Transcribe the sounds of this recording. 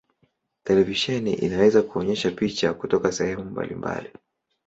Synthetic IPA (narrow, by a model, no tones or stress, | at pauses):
tɛlɛviʃɛnḭʔḭnawɛzakuɔɲɛʃapit͡ʃakutɔkasɛhɛmumba̰lḭmba̰li